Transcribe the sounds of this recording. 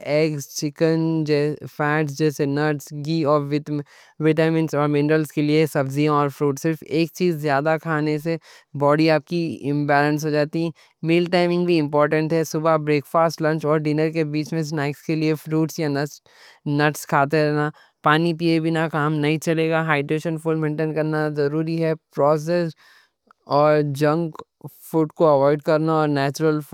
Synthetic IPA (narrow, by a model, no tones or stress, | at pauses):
eːkst͡ʃɪkənd͡ʒɛfɛːʈs̬d͡ʒɛːsenɐʈsɡiːɔːɾʋɪ | ʋɪʈaːmɪ̃nsɔːɾmɪ̃nɾəlskeliesɐbziãɔːɾfɾuːʈsɪɾfeːk̚t͡ʃiːzːjaːd̪akʰaːnese | bɔːɽiaːp̚kiɪ̃mbɛːlə̃ns̬ɦoːd͡ʒaːt̪iɦɛ̃ | meːlʈaːɪmɪ̃ŋɡbʱiɪ̃mp̬ɔːɾʈə̃ɳʈɦɛsʊbabɾeːkfaːsʈlɐ̃ɲt͡ʃɔːɾɖɪnəɾkebiːt͡ʃmẽs̬naːɪkskeliefɾuːʈsjanɐt͡ʃ | nɐʈskʰaːt̪̬eɾɛɦna | paːnipiːebʱinakaːmnɐɦĩt͡ʃɐleːɡaɦaːɪɖɾeːʃə̃nfuːlmẽːɳʈẽːnkɐɾnazɐɾuːɾiɦɛpɾɔːs̬es | ɔːɾd͡ʒɐ̃ŋɡ | fuːʈkoɐʋɔːɪɖkɐɾnaɔːɾnɛːt͡ʃʊɾəl